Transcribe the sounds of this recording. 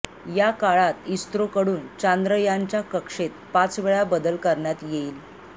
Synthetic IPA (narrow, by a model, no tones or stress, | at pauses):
jakaɭat̪ist̪ɾokəɽuːnt͡ɕand̪ɾəjaɲt͡ɕjakəkʂet̪̚pat͡sʋeɭabəd̪əlkəɾɳjat̪jeiːl